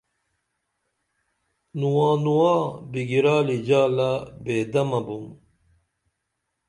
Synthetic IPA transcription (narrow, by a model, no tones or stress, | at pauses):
nuwãːnuwaːbiɡiɾaːlid͡ʑaːlabeːd̪ɐmɐbum